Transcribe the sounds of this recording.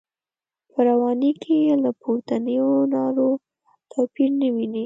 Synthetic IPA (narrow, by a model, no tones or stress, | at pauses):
pəɾawɑnikʰelapʰoɾt̪anəjonɑɾo | t̪ʰapiɾnəwini